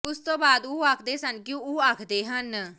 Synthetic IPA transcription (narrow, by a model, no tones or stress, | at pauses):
ʊst̪õːbaːd̪oːaːkʰd̪eːsənkɪjõːoːaːkʰd̪eːɦən